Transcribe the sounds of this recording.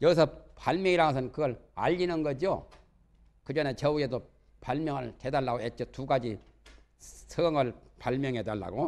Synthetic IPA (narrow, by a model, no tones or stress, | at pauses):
jʌɡisʰʌpaɭmjʌŋiɾaɡʌsʰʌnkɯɡʌɾa̰ʎːinɯnɡʌd͡ʑio | kɯd͡ʑʌne̞t͡ɕʌue̞do | paɭmjʌŋɯɭte̞daɭːaɡoɦet̚t͡ɕ͈otuɡad͡ʑi | sʰɯɡʌŋɯɭpaɭmjʌŋɦe̞daɭːa̰ɡo